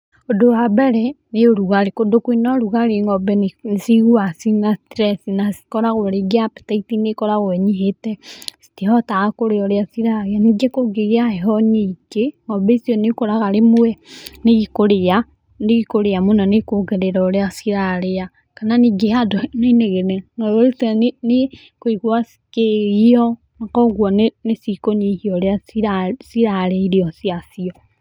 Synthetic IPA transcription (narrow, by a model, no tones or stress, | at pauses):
odoabɛɾɛ | neoɾuɣaɾekodokwinɔɾuɣaɾeŋɔbɛnsiɣuasinastɾɛsinasi̥kɔɾaɣoɾeɡeape̥taitinekɔɾaɣoɛɲiɦetɛsi̥tiɦɔtaɣakoɾeɔɾeasiɾaɾeaniɡekoɡeɣeaheɦɔneɡeŋɔbɛisiɔnekoɾaɣaɾemoɛneɣikoɾea | neɣikoɾeamunanekoɡɛɾeɾɔɾeasiɾaɾea | kananiɡeadonaineɣenɛnɔɾoɾisane | koiɣwasi̥keɣiɔ | nakɔɣwɔnenesikoɲihiɔɾeaiasiɾaɾeiɾeɔsiasiɔ